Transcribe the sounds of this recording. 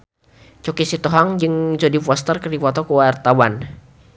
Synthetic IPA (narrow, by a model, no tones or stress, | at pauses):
t͡ʃokisit̪ɔɦaŋd͡ʒɨŋd͡ʒodipɔst̪ərkərdipɔt̪ɔkuwart̪awan